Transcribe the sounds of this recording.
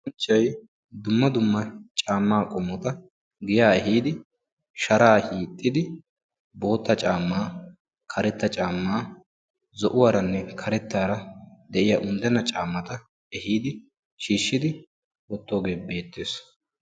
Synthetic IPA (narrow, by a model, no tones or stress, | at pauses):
ɔnt͡ʃːɐj | d̪ʊmːɐd̪ʊmːɐt͡ʃʼaːmːaːkʼɔmːɔt̪ɐ | ɡɪjaːɛɦiːd̪ɪ | ʃɐɾaːhiːt̪ʼːɪd̪ɪ | bo̞ːt̪ːɐt͡ʃʼaːmːaː | kʰɐɾɛt̪ːɐt͡ʃʼaːmːaː | zɔʔʊwaːɾɐnːɛkʰɐɾɛt̪ːaːɾɐd̪ɛʔɪjaʔʊnd̪ɛnːɐt͡ʃʼaːmːɐt̪ɐ | ɛhiːd̪ɪ | ʃiːʃːɪd̪ɪ | wɔt̪ːoːɡe̞ːbe̞ːt̪ːeːs